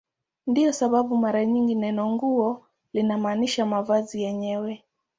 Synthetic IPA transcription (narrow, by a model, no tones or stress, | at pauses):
ndiɔsaɓaɓumaɾaɲiŋɡinɛnɔŋɡuɔ | linamaːniʃamavazijɛɲɛwɛ